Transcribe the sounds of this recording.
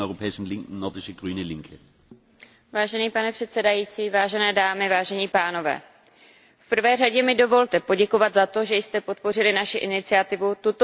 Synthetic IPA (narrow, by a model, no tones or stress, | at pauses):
oʏopʰɛːɪʃn̩lɪŋkn̩nɔʁdɪʃəɡ̥ʁyːnəlɪŋkʰə | vaːʒɛniːpanɛpr̥ɛt̪sɛdajiːt͡siːvaːʒɛnɛːdaːmɪvaːʒɛɲiːpaːno̞vɛ̰ː | fpr̩vɛːraɟɛmɪdo̞vo̞lt̪ɛpo̞ɟɛko̞vad̪zat̪o̞ʒɛjst̪ɛpo̞t̪̚po̞r̝ɪlɪnaʃɪʔɪnɪt͡sɪat̪ɪvut̪ut̪o